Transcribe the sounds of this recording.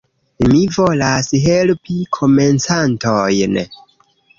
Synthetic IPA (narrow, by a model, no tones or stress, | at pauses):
mivo̞lasɦe̞lpikʰo̞ment͡santojn